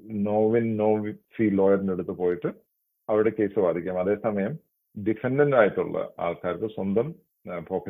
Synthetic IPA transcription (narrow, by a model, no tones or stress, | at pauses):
noːʋinnoːʋifiːlo̞ːjɐrneɽut̪ːɨpo̞ːjiʈːɨ | ɐʋiɾuɽe̞ke̞ːsɨʋaːd̪ʱikʲːamɐðe̞ːsɐmɐjɐm | ɖifenɖɐndaːjɐʈːuɭːɐ̰a̰ːɭkaːɾɐt̪ːɐswɐnd̪ɐm | bʱoːkʰːɐ